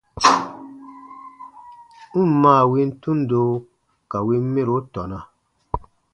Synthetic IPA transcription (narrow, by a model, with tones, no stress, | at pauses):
n̩˦m˦mãː˦˨wi˦n˦tũ˦ndo˦ | ka˨wi˦n˦me˦ɾo˨˦tɔ˨na˨